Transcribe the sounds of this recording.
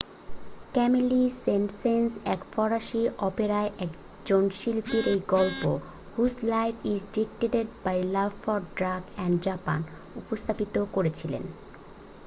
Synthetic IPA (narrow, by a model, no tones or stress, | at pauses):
kɛmilisemsensɛkfɔɾaʃiʔɔpeɾaeʔɛk | d͡ʑonʃilpiɾejɡɔlpo | huzlajfʰizɖik̚ʈeʈeɖ̚bajlabfɔɾɖɾaɡɛɳɖd͡ʑapa̰n | upost̪ʰapit̪okoɾet͡ɕʰilḛn